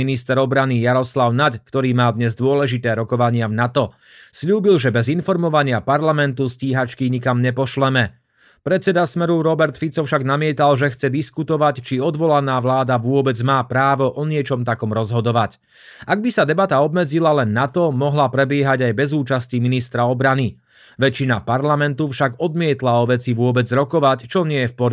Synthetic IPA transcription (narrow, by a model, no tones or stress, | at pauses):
inist̪ɛɾɔbɾanijaɾɔslaʊnackt̪ɔɾiːmaːd̪ɲɛzd̪ʊɔlɛʒit̪ɛːɾɔkɔʋaɲɪavnat̪ɔ | sʎuːbilʒɛbɛzinfɔɾmɔʋaɲɪapaɾlamɛnt̪usciːɦat͡ʃkiɲikamɲɛpɔʃlɛmɛ | pɾɛt̪t͡sɛd̪asmɛɾuɾɔbɛɾt̪fit͡sɔfʃaɡnamɪɛt̪alʒɛxt͡sɛd̪iskut̪ɔʋact͡ʃiɔd̪ʋɔlanaːʋlaːd̪aʋʊɔbɛd͡zmaːpɾaːʋɔʔɔɲɪɛt͡ʃɔmt̪akɔmɾɔzɦɔd̪ɔʋac | aɡ̚bisad̪ɛbat̪aɔbmɛd͡zilalɛnːat̪ɔmɔɦlapɾɛbɪɛɦaɟajbɛzuːt͡ʃasciminist̪ɾaɔbɾani | ʋɛt͡ʃːina̰paɾlamɛnt̪ufʃaɡɔd̪mɪɛt̪laɔʋɛt͡siʋʊɔbɛd͡zɾɔkɔʋact͡ʃɔɲɪɛjɛfpɔɾ